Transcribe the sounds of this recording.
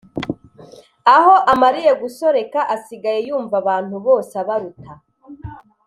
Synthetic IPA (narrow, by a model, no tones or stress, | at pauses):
aho̞ʔamaɾije̞ɡuso̞ɾe̞kaʔasiɡaje̞juːɱvaβaːn̥huβo̞ːsaβaɾutʰa